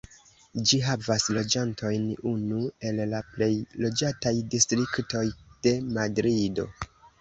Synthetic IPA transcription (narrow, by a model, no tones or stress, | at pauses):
d͡ʒiɦavaslo̞d͡ʒantʰo̞jnunue̞lːaple̞jlo̞d͡ʒatajdistɾikto̞jd̥e̞madɾido̞̰